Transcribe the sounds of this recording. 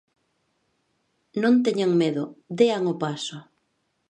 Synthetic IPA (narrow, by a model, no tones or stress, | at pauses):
nõnt̪eɲaŋmeðʊd̪eaŋopasʊ